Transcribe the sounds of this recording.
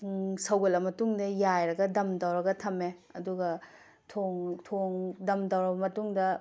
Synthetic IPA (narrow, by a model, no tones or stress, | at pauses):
sɐwɡɐlɐmɐtuŋdɐjajɾɐɡɐdɐmtɐwɾɐɡɐtʰɐmeɐduɡɐ | tʰoŋtʰoŋdɐmdɐwɾɐbɐmɐtuŋdɐ